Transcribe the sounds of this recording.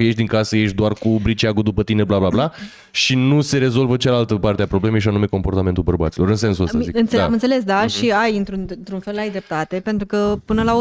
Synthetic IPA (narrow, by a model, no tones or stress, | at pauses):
je̞ʃd̪iŋkasəje̞ʃd̪oarkubɾit͡ʃiaɡud̪upət̪ineblablabla | ʃinuse̞ɾe̞zo̞lvət͡ʃalalt̪əpart̪eapɾo̞ble̞me̞jʃanume̞ko̞mpo̞rt̪ame̞nt̪ulbərba̰t̪siloɾɨnse̞nsuossəzikɨnt̪seamɨnt̪sele̞sd̪aʃiajɨnt̪ɾunnt̪ɾunfe̞lajd̪ɾep̚t̪at̪e̞pe̞nt̪ɾukəpɨnəlao